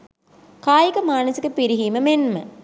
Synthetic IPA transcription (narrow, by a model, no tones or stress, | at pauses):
kaːjikɐmaːnɐsikəpiɾiɦiːməmenmə̰